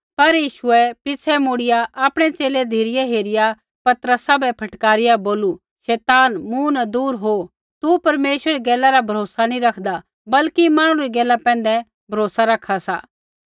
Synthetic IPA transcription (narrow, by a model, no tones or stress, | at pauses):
pɐɾjiːʃʊɛpɪsʰɛmuɽɪjaʔaːpɽ̃ɛt͡ʃeːled̪ʱiːɾɪjɛɦeːɾɪja | pɐt̪ɾəsabɛpʰɐʈkaːɾɪjaboːlu | ʃɛːt̪aːnmunad̪uːɾɦo | t̪upɐɾmeːʃəɾiɡɛːlaɾabʱɐɾoːsanĩɾɐkʰd̪a | bɐlkimãːɽ̃ũɾiɡɛːlːapɛ̃ːn̆d̪ɛ | bʱɐɾoːsaɾɐkʰːasa̰ː